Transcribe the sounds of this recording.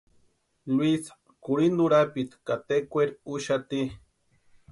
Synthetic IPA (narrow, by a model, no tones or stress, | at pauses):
lwisḁ | kuɾinuɾapit̪kat̪ekʷeɾuʃat̪i